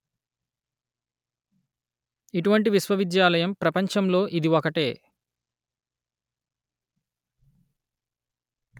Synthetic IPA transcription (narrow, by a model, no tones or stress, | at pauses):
iʈuʋɐɳʈiʋisʋɐʋid̪jaːlɐjɐmpɾɐpɐɲt͡ʃɐmlo̞ːʔid̪iɔkɐʈḛː